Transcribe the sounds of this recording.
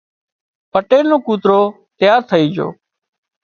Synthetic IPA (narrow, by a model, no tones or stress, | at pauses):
pəʈeːɾnõːkuːt̪ɾoː | t̪ɪjaːɾt̪ʰəiːd͡ʒo̰ː